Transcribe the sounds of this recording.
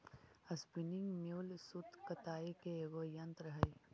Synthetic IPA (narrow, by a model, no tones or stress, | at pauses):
ɐspiniŋɡmewlsut̪kɐt̪aːekeeɡojɐnt̪ɾɐɦəj